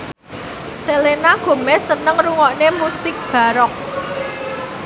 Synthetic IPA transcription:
selenaɡ̥o̤mɛsənəŋruŋɔʔnemusɪk̚b̥a̤ɾɔk̚

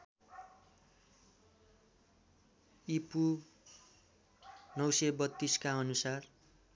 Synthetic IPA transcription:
ipu | nʌwsʌbʌt̪ːiskaʌnusar

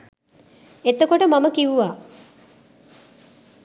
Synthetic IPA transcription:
et̪əkoʈəmaməkiʋuʋaː

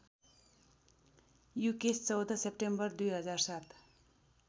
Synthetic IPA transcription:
jukest͡sʌwd̪ʱʌsepʈembʌrd̪ujɦʌd͡zarsat̪

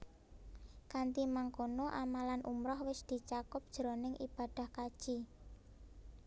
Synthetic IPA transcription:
kant̪imaŋkonoʔamalanʔumɾɔhwɪsd̪̥i̤t͡ʃakʊp̚d̥ʒ̥ɾonɪŋʔib̥a̤d̪̥a̤hkad̥ʒ̥i

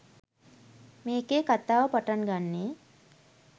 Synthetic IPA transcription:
meːkeːkat̪aːʋəpaʈanɡanːeː

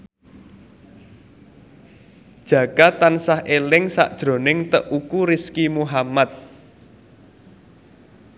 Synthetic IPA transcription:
d̥ʒ̥ä̤kat̪ansahʔelɪŋsa̰ʔd̥ʒ̥ɾo̤nɪŋt̪əʔukuɾɪskimuɦamat̪̚

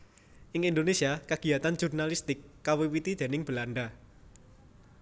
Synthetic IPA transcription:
ʔɪŋind̪onesiakaɡ̥i̤jat̪and͡ʒurnalist̪ɪkːawiwit̪id̪̥e̤nɪŋb̥əlanɖa

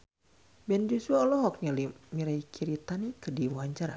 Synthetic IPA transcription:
bɛnd͡ʒusuaɔlɔɦɔk̚ɲalimiɾaikʰiɾit̪anikɨrdiwuaɲt͡ʃaɾa̰

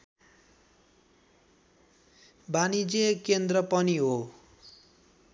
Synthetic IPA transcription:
banid͡zekend̪rʌpʌniɦo

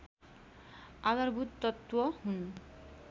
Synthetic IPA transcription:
aɡaɾbʱut̪ːɔt̪ːwɔhun

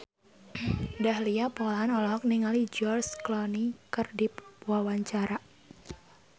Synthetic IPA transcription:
dahliapɔlaanɔlɔɦɔk̚niŋalid͡ʒɔrsklɔnikɨrdipuawaɲt͡ʃaɾa

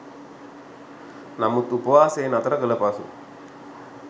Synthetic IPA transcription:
nɐmut̪upɐʋaːseːnɐt̪ɐɾɐkɯlɐpasṵ

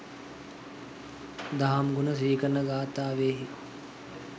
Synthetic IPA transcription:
d̪aɦamɡunəs̬iːkənːəɡaːt̪aːʋeːɦi

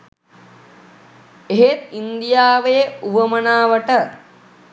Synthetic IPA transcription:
eɦet̪̚ind̪ijaːʋejəuʋəmənaːʋəʈə

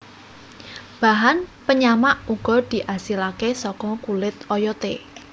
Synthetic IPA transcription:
b̥aɦanpəɲamaʔuɡ̥ɔ̤d̪̥i̤ʔasilakesɔkɔkulɪt̪ɔjɔt̪e

